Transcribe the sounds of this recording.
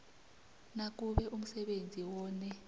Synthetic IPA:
nak̬uɓɛʔum̩sɛɓend͡zʱiwɔːnɛ

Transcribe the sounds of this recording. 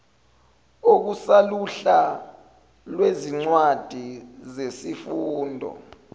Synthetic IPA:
ok̬usaluɬa | lweziŋ͡ǀwad̥ʱizesifuːndʱɔ̰

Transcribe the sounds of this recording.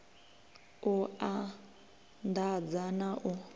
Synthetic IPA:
ʊa | ndad͡zanaʔʊ

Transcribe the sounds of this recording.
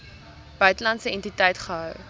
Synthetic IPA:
b̥œɥtəlɐntsəɛntitɛjtχəɦœw

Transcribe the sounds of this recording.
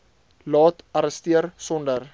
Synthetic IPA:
lɑːtɐɾəstiərsɔndər

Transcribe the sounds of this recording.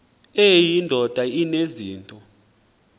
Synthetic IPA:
ɛjindʱɔd̥ʱaineziːntʼɔ

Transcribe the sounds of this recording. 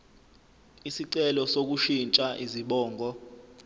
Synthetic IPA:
isiǀɛlɔsok̬uʃint͡ʃʼaʔiziɓɔːŋʱɔ

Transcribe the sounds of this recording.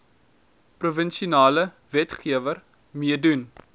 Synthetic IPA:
pruvənʃunɑːlə | vɛtχiəvər | miədun

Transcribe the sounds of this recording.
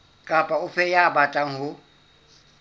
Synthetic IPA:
kʼapʼaʊfɛjabatʼaŋ̩hʊ

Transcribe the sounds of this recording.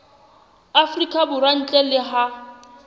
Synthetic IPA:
afrikʼabʊɾan̩t͡ɬʼɛlɪɦa

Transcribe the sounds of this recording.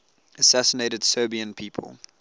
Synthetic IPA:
əsæsəneɪɾəd̥sɜːbiə̃npʰiːpʰə̰lˠ

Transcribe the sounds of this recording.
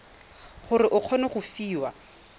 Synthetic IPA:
χʊrɪʔʊq͡χʰɔnɔχʊfiːwa

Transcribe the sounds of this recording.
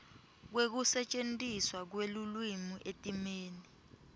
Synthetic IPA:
k̬wek̬usɛt͡ʃʼentʼiswak̬welulwimuʔetʼimeːni

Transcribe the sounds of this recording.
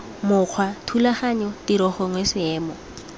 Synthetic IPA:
mʊq͡χʰwatʰulaχaɲɔtiɾɔχɔŋwesɪɛːmɔ

